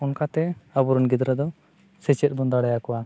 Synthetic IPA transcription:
ɔnkat̪ɛabuɾɔnɡid̪ɾɛd̪ɔ | sɛt͡ʃɛt̪̚bɔnd̪aɽɛjakɔwa

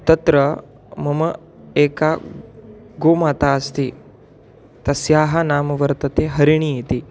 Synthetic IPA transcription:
t̪ɐt̪ɾɐ | mɐmɐ | eːka | ɡoːmaːt̪aɐst̪iː | t̪ɐsjaːɦanaːmɐʋɐɾt̪ɐt̪eːɦɐɾiɳ̃iit̪iː

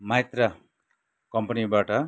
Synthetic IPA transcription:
majt̪ra | kʌmpʌnibaʈʌ

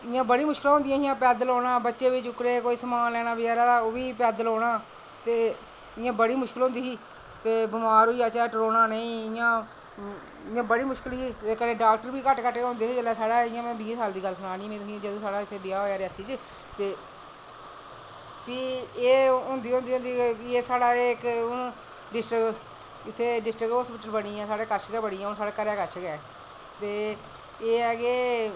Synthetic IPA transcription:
ɪjãːbəɽiːmʊʃkɪlãːõnd̪ijãːɪjãːpɛːd̪əloːɽãːbətːʃeːʋiːt͡ʃʊkɾeːkoːiːsəmaːnlɛːɽ̃aːbɪjaːɾaːoːʋiːpɛːd̪əloːɽaː | t̪eː | ɪjãːbəɽiːmʊʃkɪlɦõnd̪iːɦiː | t̪eːbʊmaːɾɦoːiːaːt͡ʃaːʈɾoːnaːnəĩːɪjãː | ɪjãːbəɽiːmʊʃkɪliːt̪eːkənẽːɖaːkʈəɾbiːkəʈkəʈːeɦʊ̃nd̪eːɦiːd͡ʒəlɛːsaːɽaːɪjãːmɛ̃ːbĩːsaːld̪iːɡəlːsənaːnĩːmɛ̃ːt̪ʊsĩd͡ʒəd̪õːsaːɽaːɪt̪ʰːeːbɪaːɦoːjaːɾɪaːsiːt͡ʃə | t̪eː | piːeːɦʊ̃nd̪iːɦʊ̃nd̪iːʊ̃nd̪iːbiːeːsaːɽaːeːkʊn | ɖɪsʈɾɪk | ɪt̪ʰːeːɖɪsʈɾɪkɦoːspɪʈəlbəɽiːɛ̃ːsaːɽeːkəɾʃɡɛːbəɽiːɛ̃ːʊnsaːɽaːkəɾjaːkəɾʃʰɡɛː | t̪eː | eːəɡeː

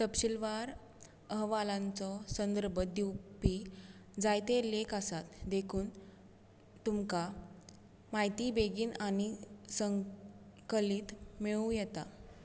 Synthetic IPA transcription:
t̪əpɕilʋaɾ | əɦʋalãnt͡sɔsənd̪əɾbəd̪iwpid͡zajt̪elekasat̪d̪ekʰuːn | t̪umka | maɦjt̪ibeɡiːnaɽ̃isəŋ | kəlit̪meɭũjɛt̪a̰

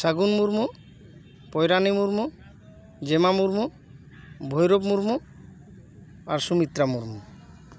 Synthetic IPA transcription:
saɡunmuɾmu | pɔjɾanimuɾmu | d͡ʑemamuɾmu | bʱojɾobmuɾmu | aɾʃumit̪ɾamuɾmu

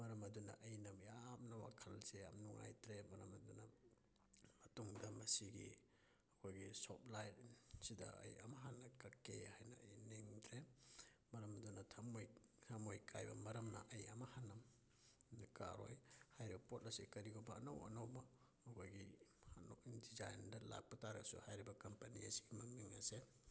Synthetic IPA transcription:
mɐɾɐmɐdunɐ̰ʔɐjnɐmjap̚nɐwa̰kʰɐlzeamnuŋa̰jtɾemɐɾɐmɐdunɐ | mɐtuŋdɐmɐsiɡḭ | hɐkʰojɡisop̚lajtsidɐ̰ɐ̰jɐ̰mɐɦanːɐkɐkehajnɐɐjneŋdɾemɐɾɐmdunɐtʰɐmojtʰɐmojkʰajbɐmɐɾɐmnɐ̰ʔɐjɐmɐhanːɐm | nka̰ɾo̰jhajɾibɐpot̚ɐsikɐɾiɡobɐːnɐwɐ̰nɐwbɐ | hɐkʰojɡihanokdizajndɐla̰k̚pɐtaɾɐsṵhajɾibɐkɐmpɐnḭɐsiɡimɐŋniŋɐ̰se

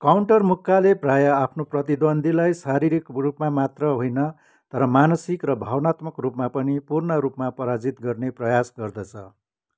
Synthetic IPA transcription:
kawɳʈʌrmukʰːaleprajʌapʰnoprʌt̪id̪ʌnd̪ʱilajsaɾiɾikrupmamat̪rʌɦojnʌ | t̪ʌɾʌmanʌsikrʌbʱawʌnat̪mʌkrupmapʌnipurnʌɾupmapʌɾad͡zit̪ɡʌrneprʌjasɡʌrd̪ʌt͡sʰʌ

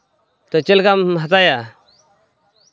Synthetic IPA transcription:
t̪ot͡ʃelkamɦət̪aːja

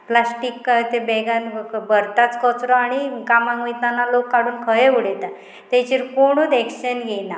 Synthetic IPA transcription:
plasʈikːt̪ebɛɡãnbəɾt̪at͡skɔt͡sɾɔaɽ̃ikamãŋʋit̪analokːaɽuːnkʰəjeuɽet̪a | t̪et͡ɕiɾkoɽ̃uːd̪ɛkɕənɡena

